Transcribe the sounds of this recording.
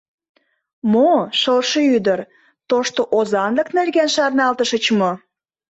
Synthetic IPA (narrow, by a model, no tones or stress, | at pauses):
moʃəlʃəyd̪ər | t̪oʃt̪oʔozɑnləknerɣenʃɑrnɑlt̪əʃət͡ɕmo